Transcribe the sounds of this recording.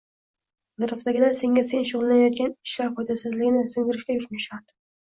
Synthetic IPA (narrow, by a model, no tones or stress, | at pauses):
d̪ɪɾʊfd̪aɡʲɪnase̞ŋʲase̞nʃʊʁlˠlanajɒt̪̚kʲanɪʃlaɾfɒjd̪asɪzlɪɡʲɪnɪsʊŋɡʲɪɾɪʃkʲajʊɾmaʃad̪ɪ